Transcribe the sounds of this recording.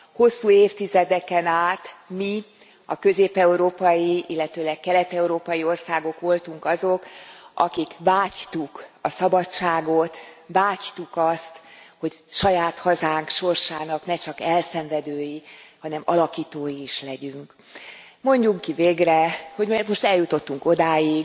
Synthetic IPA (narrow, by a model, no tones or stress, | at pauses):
ho̞sːuːeːft̪izɛd̪ɛkɛnaːt̪mi | ɒkø̞zeːpɛuɾoːpɒjiilːɛt̪øːlɛkkːɛlɛt̪ɛuɾoːpɒjio̞rsaːɡo̞kʋo̞lt̪uŋkɒzokʔɒ̰kikvaːct̪ukɒsɒbɒt͡ʃːaːɡo̞t̪vaːct̪ukɒst̪ho̞cʃɒjaːt̪hɒzaːŋkʃo̞rʃaːnɒknɛt͡ʃɒkɛlsɛɱvɛd̪øːjihɒnɛmɒ̰lɒkiːt̪oːjiːʃlɛɟyŋk | mo̞ɲɟuŋkiveːɡrɛho̞ɟmoʃt̪ɛljut̪o̞t̪ːuŋko̞d̪aːjiɡ